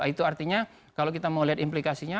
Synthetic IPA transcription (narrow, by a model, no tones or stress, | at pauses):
it̪uart̪iɲa | kalokit̪amawliɦat̪implikasiɲa